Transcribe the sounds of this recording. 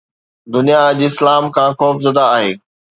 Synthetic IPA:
d̪ʊnijaʄɪslaːmkʰãːxɔːfzɐd̪aːɦeː

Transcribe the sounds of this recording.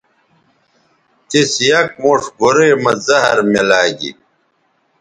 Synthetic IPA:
t̪esjɐk̚moːʂɡoɾeːmɐzɐɦɐ̰ɾmelaːɡḭ

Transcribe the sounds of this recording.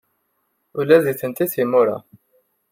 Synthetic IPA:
ʊlæðiθənt̪iθimːʊɾa̰

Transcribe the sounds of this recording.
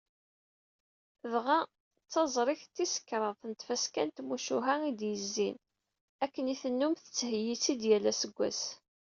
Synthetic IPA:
ðʁæ | t͡sːɑzˤɾˤiçt̪ːisə̥kːɾˤəðˤθnət̪fæskænt̪muʃuɦæid̪jəzːin | ækːəniθənːumθə̥t͡sːhəjit͡sːid̪jælːæsəɡʷːæ̰s

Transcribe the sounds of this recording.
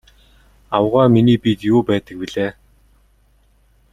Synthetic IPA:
awʁaːminiːpit̪juːpæːt̪ə̆k̚piɮeː

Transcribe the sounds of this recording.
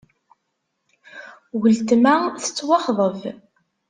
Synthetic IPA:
wəlt̪mæθə̥t͡sːwɑχðˤəv

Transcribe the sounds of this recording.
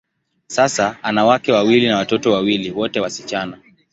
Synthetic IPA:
sasaanawakɛwawilinawatɔtɔwawiliwɔtɛwasit͡ʃana

